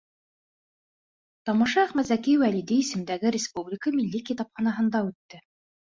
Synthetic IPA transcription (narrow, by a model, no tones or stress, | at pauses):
t̪ɑmɑ̆ʃɑːχmæt̪zækijwælid̪iisɘ̆md̪æɡɘɾʲɪspublʲɪkəmilːikit̪ɑpχɑnɑɦɤ̆nd̪ɑʉt̪ːɘ